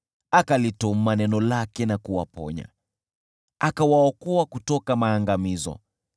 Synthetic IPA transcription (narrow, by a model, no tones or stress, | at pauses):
akalitɔm̩manɛnɔlakɛnakuwapɔ̰ɲa̰ | akawaɔkɔakutɔkamaːŋɡamizɔ̰